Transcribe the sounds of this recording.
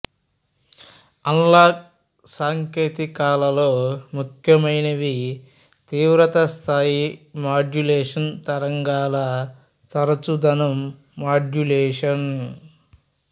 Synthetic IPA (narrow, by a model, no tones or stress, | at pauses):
ɐnlaːk | saːŋkeːt̪ikaːlɐloːmukʰjɐmɐjnɐʋi | t̪iːʋɾɐt̪ɐst̪ʰaːjimaːd͡ʒuleːʂɐnt̪ɐɾɐŋɡaːlɐ | t̪ɐɾɐt͡ʃud̪ɐnɐmː | aːd͡ʒuleːʂɐn